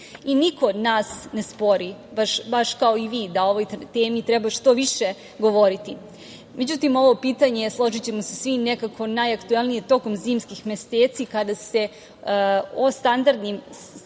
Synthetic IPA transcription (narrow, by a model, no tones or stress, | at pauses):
inikod̪naːsne̞spo̞ɾibaʃbaʃkao̞iʋiːd̪ao̞ʋo̞jt̪eːmit̪ɾebaʃt̪o̞ʋiʃe | ɡo̞ʋo̞ɾit̪i | me̞d͡ʑut̪imo̞ʋo̞piːt̪aɲeslˠo̞ʒit͡ɕe̞mosesʋine̞kakʰo̞najakt̪uelˠnijet̪o̞ko̞mziːmskixmʲeseːt̪sikad̪ase̞ | ost̪and̪aɾd̪nim